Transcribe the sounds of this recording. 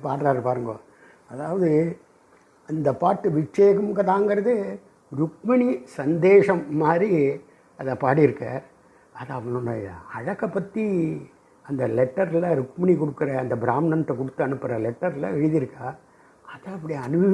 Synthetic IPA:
paːɾɾaːɾɯpaːɾɯŋɡɐo̰ː | ɐðaːʋɐðɯ | ɐnd̪ɐpaːʈːɯʋɪt͡ʃːɐjɐkːɯmɡɐt̪aːŋɡɐɾɐðɯ | ɾʊkmɐnisɐnd̪eːʂɐmːaːd̪ɾi | ɐðɐpaːɽiɪɾɯkːɐ | ɐðɐɐʋːɐɭʊnːɐɐ̰ɐɻɐkːɐpːɐt̪ːi | ɐnd̪ɐlɛʈːɐɾlɐɾʊkmɐɳikɔɽɯkːɯɾɐːnd̪ɐbɪɾaːmnɐnʈ̪ːɐkɔɽɯt̪ːɯɐnɯpːɯɾɐlɛʈːɐɾlɐ̰ɛɻɯðɪɾɯkːaː | ɐðɐɐpːɐɽijɐnɯʋɐ

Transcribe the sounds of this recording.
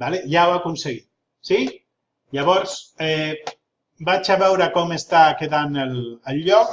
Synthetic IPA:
baleʒawakunseɣi | si | ʎaβ̞ɔɾsɛ | bat͡ʃaβɛwɾakɔmest̪akeðanələʎːɔk

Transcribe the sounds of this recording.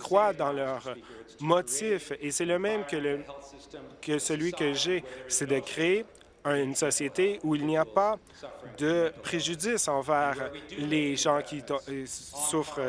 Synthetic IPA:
kχwad̪ɑ̃lœʁmɔt̪ifesɛləmɛ̃mkʲələ | kəsəlɥikəʒesɛd̪əkχee | ə̃nsɔsjet̪eʔuilniapa | d̪əpχeʒydd͡zisɑ̃vɛːʁleʒɑ̃kʲi | sufχ

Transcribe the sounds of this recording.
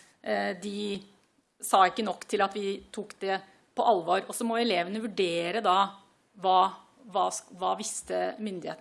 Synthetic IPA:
d̪ɪ | sɑːɪkːənɔkːt̪ʰɪlɑt̪ʋɪt̪ʰuːkd̪ɛ | pʰɔʔɑlʋoːɾɔsɔmɔɛleːʋənəʋʉɖeːɾəd̪ɑ | ʋɑː | ʋɑːʋɑːʋɪst̪əmʏnd̪ɪhḛːt̪

